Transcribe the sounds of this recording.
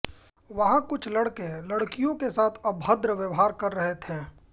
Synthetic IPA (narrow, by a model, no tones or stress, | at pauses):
ʋɐɦãkʊt͡ʃʰlɐɽkẽlɐɽkijõkesaːt̪ʰɐbʱɦəd̪ɾəʋjəʋɦaːɾkɐɾːɐɦet̪ʰɛ̃ː